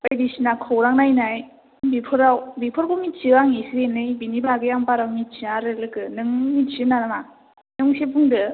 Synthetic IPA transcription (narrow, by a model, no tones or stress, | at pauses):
ajdisinakʰɯwɾaŋnajnaj | bipʰɯɾawbipʰɯɾkomit͡ʃiaŋisiɾenɯjbinibaɡɯjampaɾawmit͡ʃiaɾɯlɯkɯnɯŋmit͡ʃɯnanɯma | nɯŋsebʰuŋdɯ